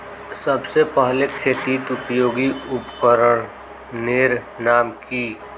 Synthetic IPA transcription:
səbsepəɦlekʰeːt̪iːt̪ʊpjoːɡiʊpkəɾəɽ̃ | neːɾ | naːmki

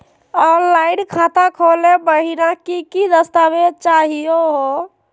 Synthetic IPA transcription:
aɾlainkʰat̪akʰolebəɦiɾakikid̪əst̪abet͡ʃaɦijoɦo

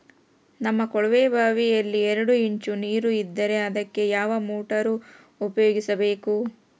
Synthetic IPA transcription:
nɐmːɐkɔɭʋeːbʱaːʋijɐlːiɛɾɐɽuiɲt͡ʃuniːɾuid̪ːɐɾe̞ɐd̪ɐkːe̞jaːʋɐmuːʈɐɾu | upɐjoːɡisɐbe̞ːku

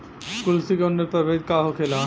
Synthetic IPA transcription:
kʊlsikeʊnːeɾpɐbeːd̪kaːɦokʰeːlaː

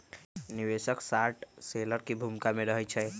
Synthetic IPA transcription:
nibesəksaʈseləɾkebʱumkameɾəɦɛt͡ʃʰɛ

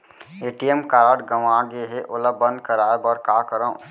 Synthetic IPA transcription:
eːʈijemkaːɾəɖɡəʋaːɡeɦeʔʊləbə̃nd̪̚kəɾaːebɔːɾkaːkəɾã

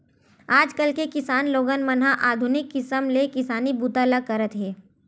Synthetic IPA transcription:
aːd͡ʒkəlkekɪsaːnloːɡənmənɦãʔaːd̪ʱʊnɪkːɪsəmlekɪsaːnibuːt̪aləɡ̚kɐɾət̪ɦɛː

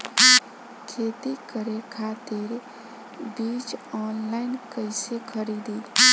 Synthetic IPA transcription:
kʰet̪ikəɾekʰat̪iɾ | bit͡ʃɔnlainkəɪsekʰəɾid̪il

